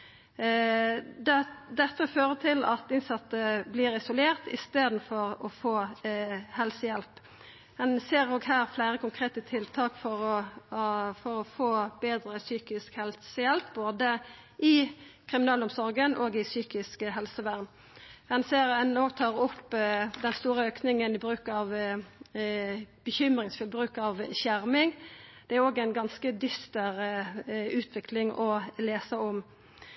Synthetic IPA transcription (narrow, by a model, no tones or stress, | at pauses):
d̪d̪ɛt̪ːəføːʁət̪ʰɪlɑt̪ɪnsɑt̪ːəblɪːɾɪsʊleːʁt̪ɪ̰st̪eːd̪n̩fɔʁɔfoː | hɛlsəjɛlp | ɛnseːɾoːɡhæːʁflæɪɾəkʊŋkʰʁeːt̪ət̪ʰɪlt̪ʰɑːkfɔɾɔ | fɔɾɔfoːbeːd̪ɾəsyːkɪskhɛlsəjɛlpboːd̪ə | ʔɪkʰʁɪmɪnɑːlɔmsɔɾɡənʔoːɡɪsyːkɪskɦɛlsəʋæʁn | hɛnseːɾɛnoːɡt̪ʰɑːʁʊpːd̪ɛnst̪uːɾəøːknɪŋənɪbɾʉːkɑʋ | b̥əçʏmɾɪŋsfʏlbʁʉːkɑʋçæɾmɪŋd̪̥ɛæɾoːɡæɪnɡɑnskəd̪ʏst̪əɾ | ʉːt̪ʰʋɪklɪŋʔɔleːsəɔm